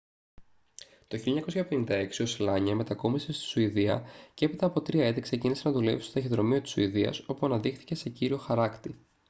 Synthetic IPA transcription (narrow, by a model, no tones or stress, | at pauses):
t̪oçiloɲɐko̞sçɐpe̞nind̪ɐe̞ksio̞selɐɲɐme̞t̪ɐko̞misest̪i̥suiðiɐcee̞pit̪ɐːpo̞t̪ɾiɐet̪ekse̞cinise̞nɐðule̞vist̪ot̪ɐçeðɾo̞mio̞t̪i̥suiðiɐ̰so̞puɐnɐðixθi̥ce̞se̞ciɾio̞xɐɾɐkt̪i